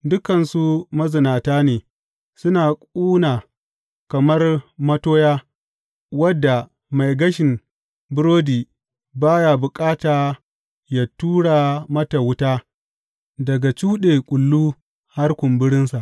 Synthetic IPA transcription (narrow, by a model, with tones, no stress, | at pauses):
dʊ˦kɐ˨nsu˦mɐ˦zɪ˨naː˨taː˦neː˨ | sʊ˦naː˨kʷʼuː˦naː˨ | kɐ˨mɐ˦rmɐ˦toː˦jaː˦ | wɐ˦dːa˨ | ma˨jɡɐ˦ʃɪ˨m | bʊ˦ɾoː˦diː˨ | baː˦ja˨bʊ˨kʼaː˦taː˨ | ja˨tuː˦ɽa˨mɐ˦ta˨wʊ˦taː˦ | dɐ˨ɡa˨t͡ʃuː˦ɗeː˨kʷʼʊ˨lːuː˦ | ha˦rkʷʊ˨mbɪ˦ɽɪ˦nsa˨ʔ